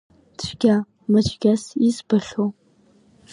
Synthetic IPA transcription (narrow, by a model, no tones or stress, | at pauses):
t͡ɕʷʰɡʲa | mɨt͡ʃʷʰʼɡʲasizbɨɬo